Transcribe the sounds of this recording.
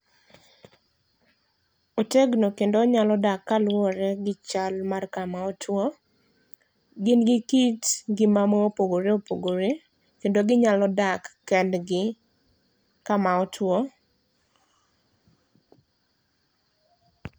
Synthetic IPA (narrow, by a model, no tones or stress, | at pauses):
oteɡnokendoɲalɔdakːalwɔɾɛɡɪt͡ʃalmarkamaɔtʰwo | ɡɪnɡɪkitɡɪmamoopoɡoɾeopoɡoɾe | kendoɡɪɲalɔdakːɛdɡɪ | kamaɔtʰwo